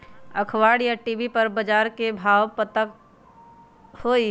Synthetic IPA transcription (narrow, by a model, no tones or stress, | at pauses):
əkʰwaːɽjaʈiːbipɐɾbəd͡ʒaːɾkebʱaːwpət̪ək | hoːi